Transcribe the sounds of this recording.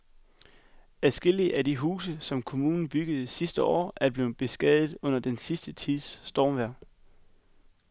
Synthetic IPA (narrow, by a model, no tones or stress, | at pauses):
æsɡ̥e̝l̰iəʔæd̥iɦuːsəsɒ̽mkʰo̝muːnn̩b̥yɡ̥əð̩ˠsisd̥əɒ̰ːʔæɐb̥le̝ːð̩ˠb̥e̝sɡ̥ɛðˠð̩ˠɔ̽n̰ɐd̥ensisd̥ət͡sʰið̰ˠsːd̥ɒːmʋæɐ̰